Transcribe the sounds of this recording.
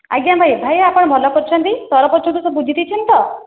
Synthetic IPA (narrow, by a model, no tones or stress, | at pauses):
a̰ɡjambʱajbʱajapɔɽ̃mɔlɔpɔɾt͡ʃʰɔnt̪it̪ɔɾɔpɔɾt͡ʃʰɔɳʈ̪usɔbud͡ʒʱit̪ʰit͡ʃʰint̪ɔ